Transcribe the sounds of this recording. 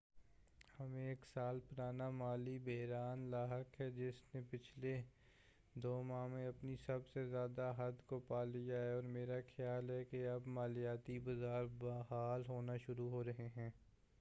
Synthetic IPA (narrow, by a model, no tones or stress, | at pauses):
hɐmẽeːksaːlpʊɾaːnamaːlibɛɦɾaːnlaːɦəkɦɛd͡ʒɪsnẽpɪt͡ʃʰle | d̪oːmãːmẽɐpnisɐbsezjaːd̪aɦɐd̪kopaːlɪjaɦɛɔːɾmeːɾaxʰjaːlɦɛkeɐbmaːlijaːt̪ibɐzaːɾbaɦaːlɦoːnaʃʊɾuɦoːɾɐɦeɦɛ̃ː